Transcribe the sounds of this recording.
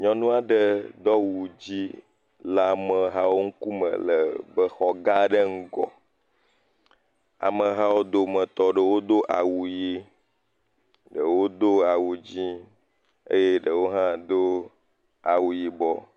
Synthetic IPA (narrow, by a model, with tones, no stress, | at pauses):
ɲɔ̃˦nũ˦a˦ɖə˨d̪ɔ˦wu˨d͡ʑi˦ | la˦mə̃˨ɦa˦wo˦ŋ̩˦ku˦mə̰˨lə˨bə˦xɔ˨ɡa˦ɖə˦ŋ̩˦ɡɔ̰˨ | a̰˨mə̃˨ɦa˦wo˦d̪o˦mə̃˨t̪ɔ˦ɖə˨wo˦d̪o˦ʔa˨wu˨ji˦ | ɖə˨wo˦d̪o˦a˨wu˨d͡ʑi˦ | ḛ˦je˦ɖə˨wo˦ɦã˦d̪o˦ | a˨wu˨ji˨bɔ˨